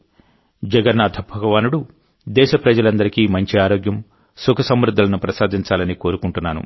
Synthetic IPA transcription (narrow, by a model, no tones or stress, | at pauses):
d͡ʒɐɡɐɾnad̪ʱɐbʱɐɡɐʋaːnuɽu | d̪ɛːʃɐpɾɐd͡ʒɐlɐnd̪ɐɾikiːmɐɲt͡ʃiaːɾoːɡjɐm | sukʰɐsɐmɾud̪ʱːɐlɐnupɾɐsaːd̪ʱiɲt͡ʃaːlɐniko̞ːɾukuɳʈunːaːnṵ